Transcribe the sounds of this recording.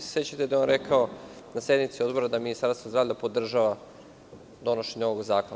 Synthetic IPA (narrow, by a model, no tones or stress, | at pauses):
sset͡ɕat̪ed̪ajonɾekʰao̞nasje̞d̪nit̪sio̞d̪bo̞ɾad̪aminist̪aɾst̪ʋozd̪ɾaːvʎʲapo̞d̪r̩ʒaʋa | d̪o̞no̞ʃeɲoʋo̞ɡzaːkon